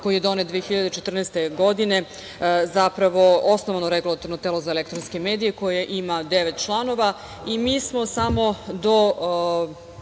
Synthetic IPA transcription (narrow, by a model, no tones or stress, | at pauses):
kojijed̪o̞net̪d̪ʋeexiʎad̪et͡ʃet̪r̩nɛːst̪e̞ɡo̞d̪ine̞ | zapɾaʋo̞o̞snoʋanoɾeɡulˠat̪o̞ɾnot̪elˠo̞zaelekt̪ɾonskemeːd̪ijeko̞jeʔimad̪eʋet̪t͡ʃlˠano̞ʋa | imiːsmo̞samo̞d̪o